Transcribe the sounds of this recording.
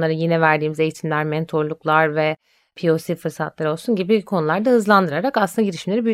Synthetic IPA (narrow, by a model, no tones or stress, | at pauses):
lˠaɾɯjenɛvæɾd̪iːmize̞jit̪ʰimlʲæɾmɛnt̪ʰo̞ɾlˠuklˠaɾvɛ | pʰijo̞sifɯɾsat̪lˠaɾɯo̞lˠsunɟibikʰo̞nulˠaɾd̪ahɯzlˠand̪ɯɾaɾakaslɯnd̪aɟiɾiʃimlʲe̞ɾibi